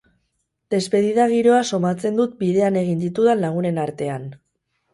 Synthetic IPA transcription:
d̪̥e̞zpe̞ðiðaɣ̞iɾo̞aso̞mat͡se̞nd̪ut̪̚biðe̞ane̞ɣ̞ind̪it̪uðenlaɣ̞une̞naɾt̪e̞an

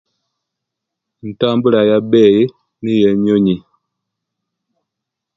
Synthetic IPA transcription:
n̩tambəlajabɛːje | nijɛɲoɲi

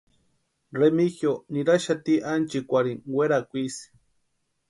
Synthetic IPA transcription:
remixjoniɾaʃat̪iʔant͡ʃikʷaɾiŋweɾakʷisi̥

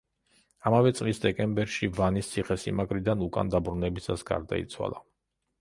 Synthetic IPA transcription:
amavɛt̪sʼlisd̪ɛkʼɛmbɛɾʃivanist̪sʰiχɛsḭmaɡʼɾid̪anukʼa̰nd̪abɾunɛbisasɡa̰ɾd̪a̰ḭt̪sʰwa̰lˠa

